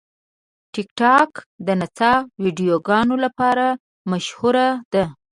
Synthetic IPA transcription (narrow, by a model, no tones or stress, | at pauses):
ʈɪkʈɑkd̪ənat͡sɑwiɖijoɡɑnolapɑɾa | maʃhuɾad̪̥a